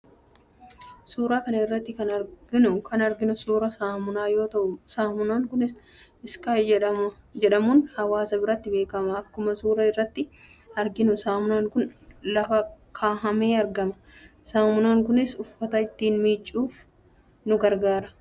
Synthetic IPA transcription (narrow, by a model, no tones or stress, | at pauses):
suːɾaːkɐnɐɪrːɐt̪ːɪkɐnɐɾɡɪnʊkʰɐnɐɾɡɪnʊsuːɾɐaːmʊnaːjo̞ːt̪ɐʔʊsaːmʊnaːŋkʊnɪs | ɪskaːɐd͡ʒɛᶑɐmʊnhɐwaːsɐbɪɾɐt̪ːɪbe̞ːkɐmɐɐkːʊmɐsuːɾɐɪrːɐt̪ːɪ | ɐɾɡɪnʊsaːmʊnaːŋkʊnlɐfɐkʰaːɦɐmeːɐɾɡɐmɐ | saːmʊnaːŋkʊnɪsʊfːɐt̪ɐɪt̪ːiːnmiːt͡ʃʼːuːf | nʊɡɐɾɡaːɾɐ̥